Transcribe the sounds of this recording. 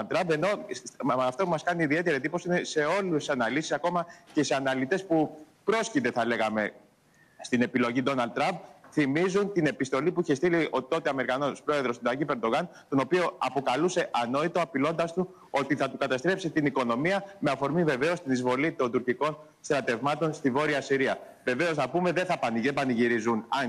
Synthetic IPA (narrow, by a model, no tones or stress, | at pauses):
lt̪ːɾɐmbe̞no̞ɐft̪oumɐskɐniːðie̞t̪e̞ɾet̪iposiinese̞o̞lussɐnɐlisisɐko̞mɐceseɐnɐlit̪e̞spupɾo̞scid̪e̞θɐle̞ɣɐme̞ | st̪ine̞pilo̞ʝid̪o̞nɐld̪t̪ːɾɐmb̚θimizunt̪ine̞pist̪o̞lipuiçest̪iliot̪o̞t̪eɐme̞ɾikɐno̞spɾo̞e̞ðɾo̞sd̪ɐcipe̞ɾd̪o̞ɣɐnt̪o̞no̞pio̞ɐpo̞kɐluse̞ʔɐno̞it̪oɐpilo̞nd̪ɐst̪u | o̞t̪iθɐt̪ukɐt̪ɐst̪ɾe̞psit̪iniko̞no̞miɐme̞ɐfo̞ɾmive̞ve̞o̞st̪inizvo̞lit̪o̞nd̪uɾciko̞n | st̪ɾɐt̪e̞vmɐt̪o̞nst̪ivo̞ɾiɐsiɾiɐ | ve̞ve̞o̞znɐpume̞ðe̞θɐpɐnebɐniʝiɾizunɐn